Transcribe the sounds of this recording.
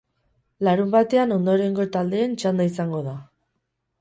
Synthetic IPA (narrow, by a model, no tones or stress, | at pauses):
laɾumbat̪e̞ano̞nd̪o̞ɾe̞ŋɡo̞t̪ald̪e̞ːnt͡ʃand̪aisaŋɡo̞ða